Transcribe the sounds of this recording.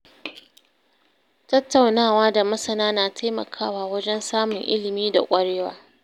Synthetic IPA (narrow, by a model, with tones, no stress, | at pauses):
tɐ˦tːa˨wnaː˦˨waː˦da˨mɐ˦sɐ˨naː˦naː˨tʰa˦jmɐ̰˨kʰaː˦˨waː˨wɐ˦d͡ʒɛ˦nsaː˦mʊ˨ŋʔɪ̰˦lɪ˨miː˦da̰˨kʷʼɐ˦ɽeː˦wa̰ː˦